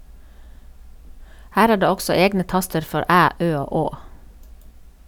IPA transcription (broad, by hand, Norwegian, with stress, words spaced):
ˈhæːɾ ˈæː ˈɖeː ˈɔksɔ ˈeːɡnə ˈtɑstəɾ ˈfɔɾ ˈʔæː ˈʔøː ˈoː ˈoː